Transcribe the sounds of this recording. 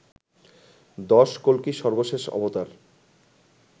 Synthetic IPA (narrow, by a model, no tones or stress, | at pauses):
d̪ɔʃkolkiʃɔɾboʃeʃɔ̰bot̪aɾ